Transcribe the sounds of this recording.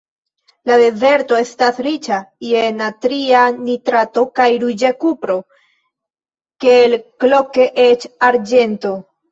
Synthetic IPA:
lade̞ze̞ɾto̞e̞stasɾit͡ʃaienatɾianitɾato̞kajɾud͡ʒekupɾo̞ | kelklo̞ke̞ʔet͡ʃaɾd͡ʒe̞nto̞

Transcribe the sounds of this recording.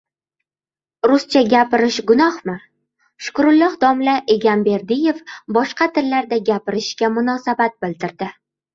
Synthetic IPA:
ɾʊst͡ʃʰaɡʲapɪɾɪʃɡʊnɒhmɪ | ʃʊ̥kɾʊlˠːɒhd̪ɒmlaʔe̞ɡʲanbe̞ɾd̪ɪje̞fbɒʃqɑt̪ʰɪɾlaɾd̪aɡʲapɪɾɪʃɡʲamʊnɒsabat̪̚bɪlt̪ɪɾd̪̥ɪ

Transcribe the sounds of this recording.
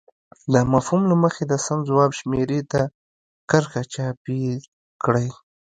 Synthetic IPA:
d̪əmafhumlaməxed̪əsamzwɑbʃmeɾet̪a | kəɾxat͡ʃɑpi | kɽəj

